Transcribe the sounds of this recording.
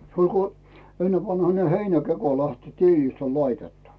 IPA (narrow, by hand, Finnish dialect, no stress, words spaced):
se olʲ ko enːeʋɑnhɑne heinækeko læhti tiːlist olʲ lɑitetːu